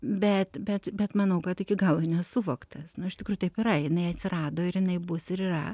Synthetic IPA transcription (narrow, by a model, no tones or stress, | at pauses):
bʲɛt̪bʲɛt̪bʲɛt̪mɐnɐʊkɐt̪ɪkʲɪɡɐlˠonʲɛsʊʋoːkt̪ɐsnʊɪʃt̪ʲɪkɾuːjʊt̪ɐɪpiɾɐjɪnɐɪɐt̪ʲsʲɪɾɑːd̪oːɪɾjɪnɐɪbʊsɪɾiːrɐ